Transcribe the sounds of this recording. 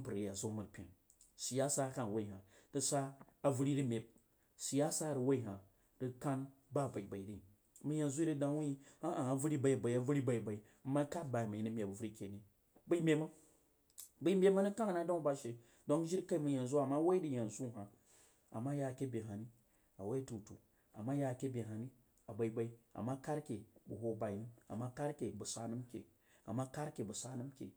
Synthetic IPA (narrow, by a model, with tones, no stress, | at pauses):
pɨ˨ɾe˨ja˨zo˦mu˨ɾpʲḛ˨n | si˨ja˦sa˦ka˦n˨wa˦i˨ɦa˨ | tɨ˨saː˦˨vu˦ɾi˦ɾi˦mʲe˨p̚ | si˨ja˦sa˦˨ɾɨ˨wa˦i˦˨ɦa˨ | ɾɨ˨˧ka˦nba˦˨ba˨i˨ba˨i˨ɾi˦˨ | mu˦ja˨n˨zu˦ɾɨ˦da˦wu˦i˦a˦a˨a˨vu˦ɾi˦ba˨i˦˨ba˨i˨˦a˨vu˦ɾi˦ba˨i˨ba˨i˨˦ma˦ka˦ba˨jma˨i˨nɨ˦mʲe˨bu˨vu˦ɾi˦kʲe˨ni˨ | bɨ˦i˦mʲe˨ma˦ | bə˨˦mbʲe˦ma˦ni˦ka˦ŋ˨na˦do˦ŋ˦ba˨ʃe˨ | do˦ŋʒi˦ɾka˦i˦mu˨ja˨n˨zu˦a˨ma˦we˦i˦di˨ja˨nzu˦˨ɦa˨ | a̰˨ma˦ja˨kʲe˦bʲe˨ɦa˨ni˦ | a˨we˦tu˨tṵ˨ | a̰˨ma˦ja˨kʲe˦bʲe˨ɦa˨ni˦ | a˨ba˨i˨ba˨i˦a̰˨ma˦ka˦ɾkʲe˨bu˨ɦo˨ba˨˦i˦a̰˨ma˦ka˦ɾkʲe˨bu˨sa˨nu˦mkʲḛ˨ | a̰˨ma˦ka˦ɾkʲe˨bu˨sa˦nu˦mkʲḛ˨